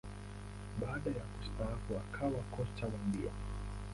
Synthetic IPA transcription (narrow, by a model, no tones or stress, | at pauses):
ɓaːɗajakustaafuakʰawakɔt͡ʃawambiɔ̰